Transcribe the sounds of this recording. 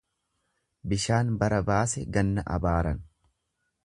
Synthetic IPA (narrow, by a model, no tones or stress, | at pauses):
bɪʃaːnbɐɾɐbaːsɛɡɐnːɐʔɐ̰baːɾɐn